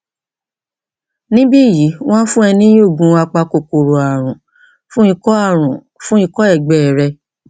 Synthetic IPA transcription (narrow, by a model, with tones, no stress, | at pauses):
nĩ˦bi˦˨ji˨˦w̃ã˦fũ˦ɛ˧nĩ˦o˦˨ɡũ˨˧a˧k͡pa˧ko˨ko˨ɾo˨a˨ɾ̃ũ˨ | fũ˦i˦kɔ˦˨ũ˨ | fũ˦i˦˧kɔ˦ɛ˦˨ɡ͡bɛ˨ɾɛ˧